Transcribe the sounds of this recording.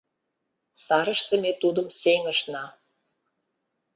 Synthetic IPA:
sɑɾə̆ʃt̪ə̆met̪ud̪ə̆mseŋə̆ʃnɑ

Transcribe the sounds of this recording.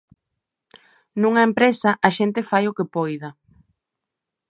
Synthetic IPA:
nũŋɐempɾesɐʔɐʃent̪ɪfajʊkepojðɐ

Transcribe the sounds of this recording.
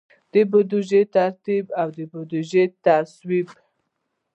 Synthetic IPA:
d̪̥əbʊd̪uʒet̪aɾt̪ibawd̪əbʊd̪uʒet̪aswib

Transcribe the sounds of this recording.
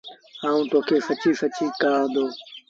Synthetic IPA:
aːũːt̪oːkʰeːsət͡ʃiːsət͡ʃĩːkaːãːd̪oː

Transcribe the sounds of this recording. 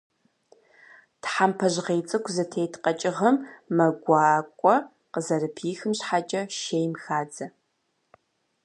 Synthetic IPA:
tħampʰɐʑʁeːt͡sʼɨkʷʰzɐtʰejtʰqɐt͡ʃʼɪʁɐmːɐɡʷɑːkʷʼɔ | qəzɐrɨpʰiːxɨmɕħat͡ʃʼɐʃejmxaːd͡zɐ

